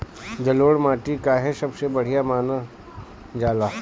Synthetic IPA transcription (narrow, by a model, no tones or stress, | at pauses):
d͡ʒɐloːɽmaːʈikaɦɛsɐbsebɐɽ̤ijamaːna | d͡ʒaːlaː